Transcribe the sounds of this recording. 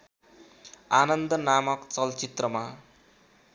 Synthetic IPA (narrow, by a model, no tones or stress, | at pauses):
anʌnd̪ʌnamʌkt͡sʌlt͡sit̪rʌma